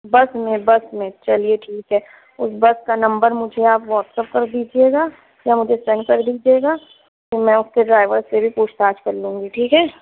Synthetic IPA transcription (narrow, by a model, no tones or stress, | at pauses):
bɐsmẽbɐsmẽt͡ʃɐlieʈʰiːkɦɛː | ʊsbɐskanɐ̃mbəɾmʊd͡ʒʱeaːpʋɔːʈsəp̚kɐɾd̪iːd͡ʒieːɡaː | jamʊd͡ʒʱesɛ̃nkɐɾd̪iːd͡ʒieːɡaː | kimɛ̃ʊskeɖɾaːɪʋəɾsebʱipuːʃt̪aːd͡ʒkɐɾlũːŋɡiʈʰiːkɦɛː